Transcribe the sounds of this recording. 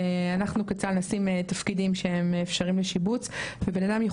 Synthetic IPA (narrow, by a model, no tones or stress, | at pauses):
anaχnuket͡salnasimetafkidimʃeemːfʃaʁimleʃibut͡svebenadamje